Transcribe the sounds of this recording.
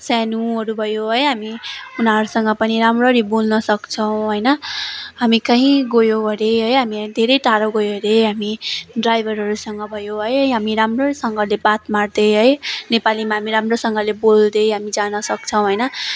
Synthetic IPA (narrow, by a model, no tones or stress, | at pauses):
sanuɦʌɾubʱʌjoɦʌjɦamiunaɦʌɾusʌŋɡʌpʌniɾamrʌɾibolnʌsʌkt͡sʰʌw̃ɦʌjnʌɦamikaɦĩɡojoɦʌɾeɦʌjɦamid̪ʱeɾʌjʈaɾoɡojoɾeɦamiɖrajbʱʌɾɦʌɾusʌŋɡʌbʱʌjoɦʌjɦʌɦamiɾamrʌsʌŋɡʌlebat̪mard̪ʌɦʌjnepalimaɦamiɾamrosʌŋɡʌlebold̪ʌɦamid͡zanʌsʌk̚t͡sʰʌw̃ɦʌjnʌ